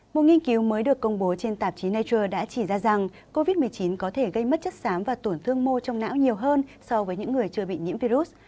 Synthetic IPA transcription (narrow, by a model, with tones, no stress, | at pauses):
mo˨˩t̚ŋi˧ənki˨˦wməː˨˦jɗɨ˨˩əkːə˧wŋ͡mɓo˨˦t͡ɕe˧nt̪aː˨˩p̚t͡ɕi˨˦naː˧t͡ɕəː˧ɗa̰ː˧˥t͡ɕi˧˩zaː˧za˨˩ŋ | ko˧vi˦˥t̚mɨ˨˩əjt͡ɕi˨˦nkɔ˨˦t̪ʰe˧˩ɣə˧jmə˦˥t̚t͡ɕə˦˥t̚saː˨˦mvaː˨˩t̪u˧˩nt̪ʰɨ˧əŋmo˧t͡ɕɔ˧wŋ͡mna̰ː˧˥wɲi˨˩əwɦəː˧nsɔ˧vəː˨˦jɲɨ̰˧˥ŋːɨ˨˩əjt͡ɕɨ˧əɓḭ˧˨ɲḭ˧˥əmvi˧ɾu˦˥t̚